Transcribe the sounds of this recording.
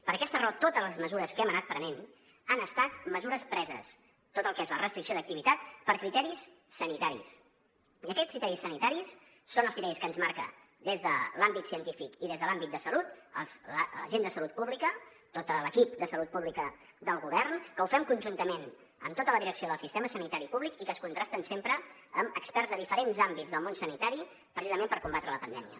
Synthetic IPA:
pəɾəkɛst̪ərot̪ot̪əzləzməzuɾəskɛmənat̪̚pɾənen | ənəst̪at̪̚məzuɾəspɾɛzə̰s | t̪ot̪əlˠkezlərəst̪ɾiksioðək̚t̪iβit̪at̪̚pəɾkɾit̪ɛɾisː | ənit̪aɾḭs | iəkɛskɾit̪ɛɾisənit̪aɾisː | onəlˠskɾit̪ɛɾiskəːnzmaɾkə̰ | d̪ezðəlambit̪siənt̪ifikiðezðəlambit̪̚d̪əsəlut̪ə̰lsləʒend̪əsəlut̪̚puβlikət̪ot̪ələkip̚d̪əsəlut̪̚puβlikə | d̪əlˠɣuβɛrnkəufɛmkunʲʒunt̪əmen | ə̰mt̪ot̪ələðiɾəksioð̞əlˠsist̪eməsənit̪aɾipuβlikikəskunt̪ɾast̪ənsempɾə | əməkspɛrzðəðifəɾenzambidd͡zðəlˠmonsənit̪aɾi | pɾəsizəmẽmpəɾkumbat̪ɾələpənd̪ɛmiə̰

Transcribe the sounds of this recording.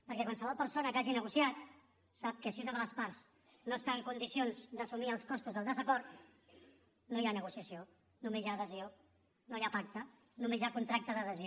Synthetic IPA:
pəɾkɛkwalsəβ̞ɔlˠpəɾsonəkaʒinəɣusjat̪̚ | sap̚kəsiunəðələspaɾz̥ | noəst̪aəŋkund̪isionzd̪əsumiəlˠskɔst̪uzðəlˠd̪əzəkɔɾt̪ | nojanəɣusiəsio | numezjaːðəzio | nojapak̚t̪ə | numezjakunt̪ɾak̚t̪əðəðəzio

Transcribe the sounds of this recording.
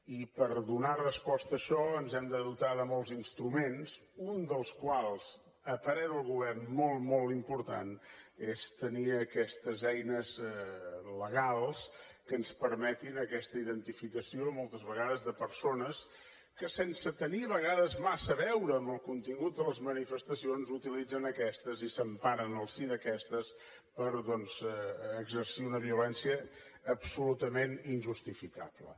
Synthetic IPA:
ipəɾðunarəspɔst̪əːʃɔənzɛmd̪əðut̪aðəmɔlˠzinst̪ɾumenzund̪əlˠskwalˠz̥ | əpəɾɛðəlˠɣuβɛrnmɔlˠmɔlˠt̪impuɾt̪a̰nest̪əniəkɛst̪əzɛjnəz | ləɣalˠs | kənspəɾmɛt̪inəkɛst̪əiðənt̪ifikəsiomɔlˠt̪əzβəɣaðəzðəpəɾsonəs | kəsensət̪əniəβəɣ̞aðəzmasəβɛwɾəːmbəlˠkunt̪iŋɡut̪̚d̪ələzmənifəst̪əsionzut̪ilid͡zənəkɛst̪əzisəmpaɾənəlˠsiðəkɛst̪əs | pəɾðɔnzɛəɡzəɾsiunəβiulɛnsiəː | psulut̪əmeninʲʒust̪ifika̰plə̰

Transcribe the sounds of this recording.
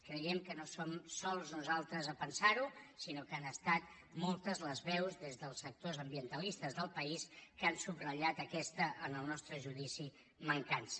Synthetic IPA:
kɾəjɛmkənosomsɔlˠznuzalˠt̪ɾəzəpənsaɾusinokanəst̪at̪ | mɔlˠt̪əzləzβɛwzðezðəlˠsək̚t̪ozəmbiənt̪əlist̪əzðəlˠpəiskansubrəʎat̪əkɛst̪əʔənəlˠnɔst̪ɾəʒuðisi | məŋkans

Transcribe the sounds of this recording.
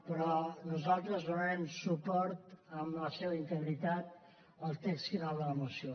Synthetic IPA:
pəɾɔnuzalˠt̪ɾəzβəlɛmsupɔɾt̪əmləseβəint̪əɣɾit̪at̪̚ | əlˠt̪ɛksiðələmusio

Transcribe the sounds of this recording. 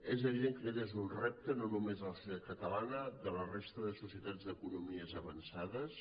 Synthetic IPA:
ezəβiðeŋkəeʎezunrɛp̚t̪ənonumezðələsuðat̪̚kət̪əlanəd̪ələrest̪əðəsusiət̪ad͡zd̪əkunumiəzəβənsaðəs

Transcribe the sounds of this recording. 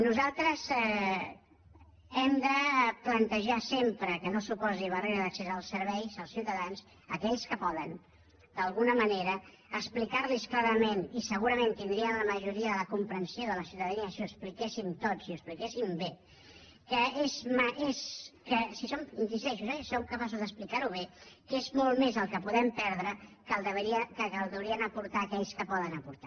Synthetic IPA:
nuzalˠt̪ɾəzɛ | ɛmd̪əplənt̪əʒasempɾəkənosupɔziβ̞əreɾəðəksezəlˠsəɾβɛjzəlˠsiwt̪əðans | əkɛʎskəpɔðən | d̪əlˠɣunəməneɾəː | ksplikaɾlisklaɾəmenisəɣuɾəmẽnt̪ind̪ɾiənləməʒuɾiəðələkumpɾənsioðələsiuwt̪əðəniəsiuəsplikesimt̪otsiuəsplikesimbe | kəezməʔezkəsisominsisɛʃuzɛsomkəpasuzðəsplikaɾuβ̞ekezmɔlˠmezəlˠkəpuðɛmpɛɾðɾəkəlˠd̪əβəɾiəkəkəlˠd̪əwɾiənəpuɾt̪aːkɛʎskəpɔðənəpuɾt̪a

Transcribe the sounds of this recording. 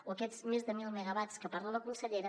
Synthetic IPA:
oəkɛzmezðəmilˠməɣəβat͡skəpaɾlaləkunsəʎeɾə

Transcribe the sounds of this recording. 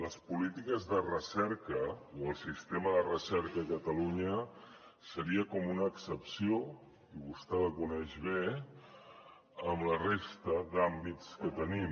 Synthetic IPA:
ləspulit̪ikəzðərəsɛɾkəoəlˠsist̪eməðərəsɛɾkəːkət̪əluɲə | səɾiəkɔmunəːksəpsio | iβust̪ɛləkunɛʒβe | əmlərest̪əðambit͡skət̪ənim

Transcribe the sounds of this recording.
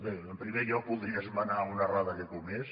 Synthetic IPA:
beəmpɾimeʎɔk̚pulˠðɾiəzmanaunaraðəkekumes

